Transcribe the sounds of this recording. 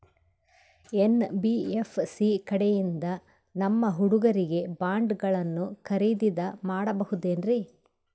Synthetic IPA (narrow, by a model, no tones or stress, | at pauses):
e̞nbiefsikɐɽɛjind̪ɐ | nɐmːɐɦuɽuɡɐɾiɡe̞baːɳɖɡɐɭɐnːukɐɾid̪id̪ɐmaːɽɐbɐhud̪e̞ːnɾi